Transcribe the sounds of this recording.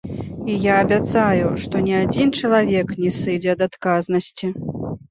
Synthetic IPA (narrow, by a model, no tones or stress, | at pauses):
ijaːbʲat̪sajuʂt̪ɔnʲiad͡zʲint͡ʂɐlˠavʲɛknʲɛsɨd͡zʲɛɐd̪at̪kaznɐsʲt͡sʲi